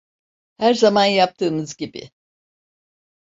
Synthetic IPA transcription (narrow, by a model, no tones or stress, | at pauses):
hæɾzamanjap̚t̪ʰɯːmɯzɟibɪ̰